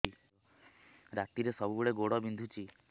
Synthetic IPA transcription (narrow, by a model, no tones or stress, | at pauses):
i | ɾat̪iɾesɔbubeɽeɡoɽɔbind̪ʱut͡ʃʰi